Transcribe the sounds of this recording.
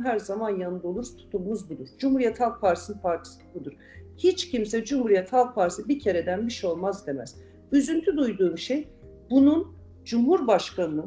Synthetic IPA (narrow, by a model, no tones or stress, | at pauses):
ɦæɾzamanjanɯd̪olˠuɾzt̪ʰu̥t̪ʰummuzbilʲiɾd͡ʒumhuɾijɛt̪halˠk̚pʰaɾisɯnpaɾt̪ʰi̥sɯbud̪uɾ̥ | hit͡ʃcʰimsɛd͡ʒumhuɾijɛt̪ʰhalˠk̚pʰaɾsibicʰe̞ɾed̪ænbiʃɛo̞lˠmazd̪e̞mɛz̥ | yzynt̪ʰyd̪ujd̪uːmʃej | bunun | d͡ʒumhuɾbaʃkʰanɯnɯ